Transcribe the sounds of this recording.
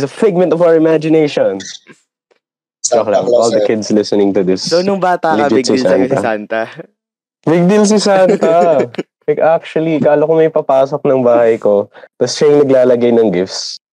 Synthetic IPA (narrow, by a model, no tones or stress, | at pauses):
sɐfɪɡ̚mɛ̃nt̪ɔvawəɹɪmad͡ʒɪnejʃɔn | oklaʔɔlˠd̪ɐkɪd̪slɪsɛnɪ̃ŋt̪ʊd̪ɪssonʊŋbaːt̪ɐbɐɡssant̪ɐ̰sant̪ɐ | bɪɡ̚d̪ɪls̬ɪsant̪ɐ | lɐjkak̚t͡ʃʊwɐlikaːlokomɐjpɐpaːsok̚nɐŋbaːhɐjkot̪ɐsʃajɪŋnɐɡlaːlɐɡajnɐŋɡɪfs